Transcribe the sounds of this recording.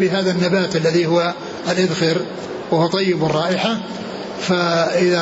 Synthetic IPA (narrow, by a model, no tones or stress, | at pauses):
bɪɦaːðanːabaːt̪ʔalːaðihʊwa | alʔɪðxɪɾ | wahʊwt̪ˤɑjːɪbɑrˤːɑːʔɪħa | faʔɪða